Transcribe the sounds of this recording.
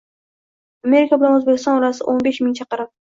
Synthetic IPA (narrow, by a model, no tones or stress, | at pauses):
ame̞ɾɪkʲʰabɪlanɵzbekʲɪst̪ɒnɒlasɪʔonbe̞ʃmɪŋt͡ʃʰaqɑɾap